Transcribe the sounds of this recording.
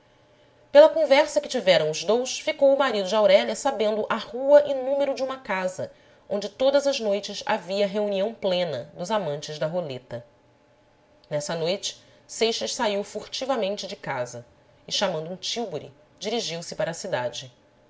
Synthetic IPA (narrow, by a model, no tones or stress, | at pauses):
pelɐkõvɛɾsɐkɪt͡ʃivɛɾɐ̃w̃ʊzd̪owsfikowʊmaɾid̪ʊd͡ʒɪawɾɛʎɐsabẽnd̪ʊʔahuɐʔɪnũmeɾʊd͡ʒɪũmɐkazɐ | õñd͡ʒɪt̪od̪ɐzɐznojt͡ʃɪsa̰viɐɦeuniɐ̃w̃plẽnɐd̪ʊzamɐ̃nt͡ʃɪzd̪ɐɦolet̪ɐ | nɛsɐnojt͡ʃɪ̥ | sejʃɐʃsaiwfuɾt͡ʃivɐmẽnt͡ʃɪd͡ʒɪkazɐ | ɪʃamɐ̃nd̪ʊũt͡ʃiwboɾḭ | d͡ʒiɾiʒiwsɪpaɾɐsid̪a̰d͡ʒɪ